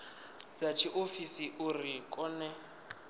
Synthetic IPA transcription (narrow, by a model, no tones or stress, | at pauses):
d͡zat͡ʃʰiʔofisiʔurikʼɔnɛ